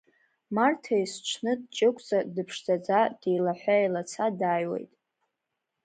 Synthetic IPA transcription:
martʰajsʈ͡ʂʷʰnɨdt͡ʃʼɪkʷʼt͡sʼadɨpʰʂzad͡zad̥ejlaħʷajlat͡sʰadajwḛjtʼ

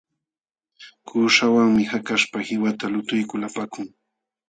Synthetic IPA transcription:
kuːʃawaŋmɪhakaʃpahɪwat̪alʊt̪ʊjkʊlapakʊŋ

